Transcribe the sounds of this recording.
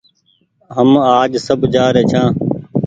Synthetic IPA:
ɦəmaːd͡ʒsəbd͡ʒaːɾeːt͡ʃʰãː

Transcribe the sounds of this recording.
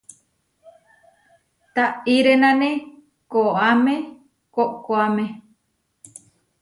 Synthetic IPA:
t̪aiɾenãnẽ | koamẽ | koʔkoamẽ

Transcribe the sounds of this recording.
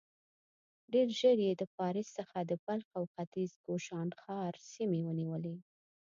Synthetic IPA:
ɖeɾʒəɽjed̪əpɑɾɪsːəxad̪əpalxawxat̪izɡoʃɑnxɑɾsimewəniwəle

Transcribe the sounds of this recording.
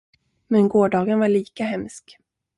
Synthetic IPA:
mɛnɡoːɖɑːɡənvaɭiːkaɦɛmsk

